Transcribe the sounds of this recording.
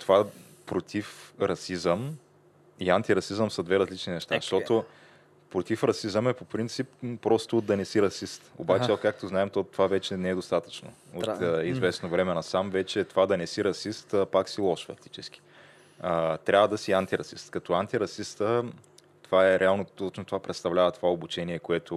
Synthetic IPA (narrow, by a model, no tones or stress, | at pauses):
t̪ova | pɾot̪ʰifɾɐsizəm | iant̪iɾɐsizəmsɐd̪vɛɾɐzlit͡ʃninɛʃt̪a̰ʃt̪ɔt̪o | pɾot̪ifɾɐsizəmɛpopɾint̪sipːɾɔst̪ʊːt̪d̪ɐnɛsiɾɐsist̪o̰bat͡ʃɛkak̚t̪oznaɛmt̪ɔt̪ovavɛt͡ʃɛnɛɛd̪ost̪at̪ə̥t͡ʃno̰ | ot̪ːizvɛsnovɾɛmɛnɐsamvɛt͡ʃɛt̪ovad̪ɐnɛsiɾɐsist̪əpaksilˠɔʃfɐft̪i̥t͡ʃɛsk̟ʲi̥ | ət̪ɾʲʔavəd̪ɐsiant̪iɾɐsḭst̪kɐt̪ɔant̪iɾɐsist̪ə | t̪ovaɛɾʔɛalˠnot̪ɔt͡ʃnot̪ovapɾɛt̪st̪ɐvlʲavɐt̪ovaobut͡ʃɛniɛkoɛt̪ʊ